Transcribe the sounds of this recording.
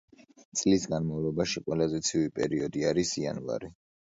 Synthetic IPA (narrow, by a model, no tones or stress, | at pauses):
t̪sʼlisɡanmavlˠɔbaʃiqʼwɛlˠazɛt̪sʰivipʼɛɾiɔd̪iaɾisia̰nva̰ɾi